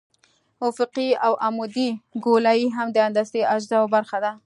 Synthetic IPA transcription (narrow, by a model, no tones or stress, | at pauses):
ʊfɪqiawʔamud̪iɡolajiɦamd̪əand̪ast̪eaʒzawbaɾxad̪a